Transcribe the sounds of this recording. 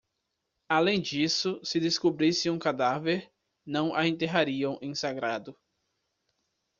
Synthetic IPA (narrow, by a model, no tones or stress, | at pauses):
alẽj̃d͡ʒisʊsɪd̪eskubɾisɪũkad̪aveɾ | nɐ̃w̃ʔaẽnt̪eɦaɾiɐ̃w̃ʔẽj̃saɡɾad̪ʊ